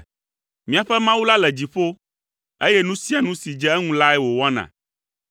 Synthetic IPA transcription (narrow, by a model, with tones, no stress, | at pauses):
mĩ˨a˨ɸɛ˦mã˦wu˦la˦lɛ˨d͡ʑi˨ɸo˦ | e˦jɛ˦nũ˦si˦a˨nũ˦si˨d͡ʒɛ˦ɛ˦ŋũ˦la˦ɛ˦wo˨wa˦nã̰˨